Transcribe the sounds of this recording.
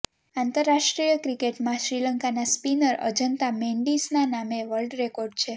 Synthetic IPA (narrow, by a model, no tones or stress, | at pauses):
ãnt̪əɾːaʃʈɾijəkɾikeʈmãʃɾiləŋkanaspinəɾə̰d͡ʒənt̪amẽɳɖisnanameʋəlɖɾekoɾɖ̚t͡ʃʰe